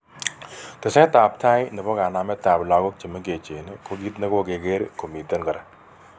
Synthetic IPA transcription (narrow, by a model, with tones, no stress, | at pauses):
t̪ɪ˨sẽː˦t̪aː˨pt̪ʰaː˦inɐ˨pɔ˦ɡaː˨naː˨me˦t̪aː˨blaː˧ɡo˦k̚t͡ʃɐ˨me˦ɡeː˨t͡ʃe˨nkʰoɡit̪ne˦ko˦ɡe˨ɡe˦ɾkʰo˨miː˨t̪ə˦nkɐ˨ɾa˨